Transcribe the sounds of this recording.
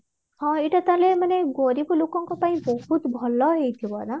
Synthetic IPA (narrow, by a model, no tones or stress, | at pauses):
ɦɔ̃iʈat̪alemaneɡoɾipulokɔ̃ŋkɔpaĩbɔɦut̪bʱɔlɔɦejt̪ʰiɔad̪a